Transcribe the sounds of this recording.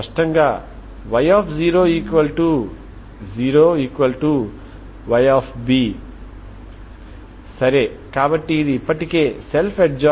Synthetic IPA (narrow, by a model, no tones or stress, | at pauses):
ɐʂʈɐŋɡaː | ʋɐjaːpʰziːɾoːiːkʋɐlʈu | ziːɾoːiːkʋɐlʈu | ʋɐjaːpʰbiː | sɐɾeːkaːbɐʈːiːd̪iːpːɐʈikeːse̞lpʰeʈ̚d͡ʒaː